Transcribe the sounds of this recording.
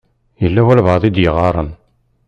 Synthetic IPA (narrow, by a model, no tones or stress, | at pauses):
jəlːæwælβɑðˤid̪jəʁɑɾˤə̰n